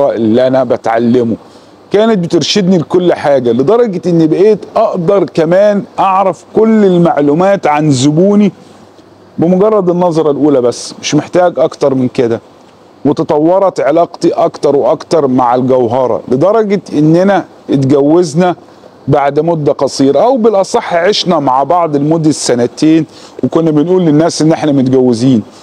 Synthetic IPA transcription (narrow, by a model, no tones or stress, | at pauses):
ɑʔelːʔænæbæt̪ʕa̰lːemo | kæːnet̪̚bet̪eɾʃed̪nilekolːħaːɡæled̪ˤɑɾˤɑɡɑt̪ʔenːibeʔeːt̪ʔɑʔd̪ɑɾˤkæmæːnʔɑʕɾæfkolːelmaʕlumæːt̪ʕanzʊbuːni | bɪmoɡɑrˤːɑd̪enːɑzˤɑɾˤɑlʔuːlæbæsːmeʃmeħt̪æːɡʔɑkt̪ɑɾˤmɪnked̪æ | mʊt̪ɑt̪ˤɑwːɑɾˤɑt̪ʕelɑːqt̪iʔɑkt̪ɑɾˤweʔɑkt̪ɑɾˤmaʕelɡæwɦɑɾˤɑ̰led̪ɑɾˤɑɡet̪ʔenːænæ | et̪ɡæwːeznæ | baʕd̪mod̪ːæqɑsˤiːɾɑʔæwbɪlʔɑsˤɑħːʕeʃnæmaʕbɑʕd̪ˤelmod̪ːæsːænæt̪eːnwekonːæbenʔuːlːenːæːsʔenːʔeħnæmot̪̚ɡæwːeziːn